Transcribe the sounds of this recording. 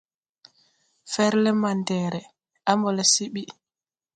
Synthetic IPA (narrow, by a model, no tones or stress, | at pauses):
fɛɾlɛmandɛɾɛ | ambɔlɛsiɓi